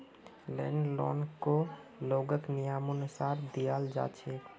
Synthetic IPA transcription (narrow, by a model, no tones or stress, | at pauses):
lɛ̰nlɔ̰nkoloɡəknijamʊnʊsaːɾd̪ijald͡ʒa̰ːt͡ʃʰɛ